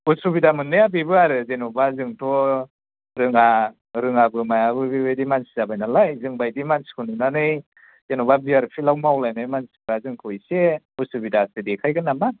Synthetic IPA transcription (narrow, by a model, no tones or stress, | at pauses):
usuβidamɯnːɯjabibɯaɾɯzenɔbazɯŋtʰɔ | ɾɯŋa | ɾɯŋabɯmajabɯbibajdimansi̥zabajnalajzɯŋbajdimansi̥kʰɔnunanɯj | zenɔβabiaɾpʰilawmawlajnɯjmansi̥kbazɯŋkʰɔjse | usubidasedekʰajɡɯnama